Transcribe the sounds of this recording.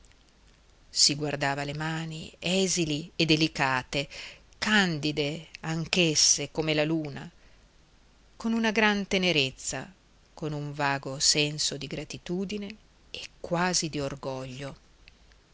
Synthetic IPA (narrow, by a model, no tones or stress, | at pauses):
siɡward̪aːvalemaːniɛːzilied̪elikaːt̪e | kand̪id̪eaŋkesːekomelaluːna̰ | konunaɡɾant̪eneɾet̪sːa̰ | konuɱvaːɡosɛnsod̪iɡɾat̪it̪uːd̪ine | ekːwaːzid̪iorɡɔʎːo